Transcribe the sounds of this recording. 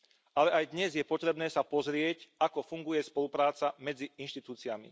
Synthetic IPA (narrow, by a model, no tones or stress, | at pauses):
alɛajd̪ɲɛzjɛpɔt̪ɾɛbnɛːsapɔzɾɪɛcakɔfuŋɡujɛspɔlupɾaːt͡samɛd͡ziinʃt̪it̪uːt͡siamḭ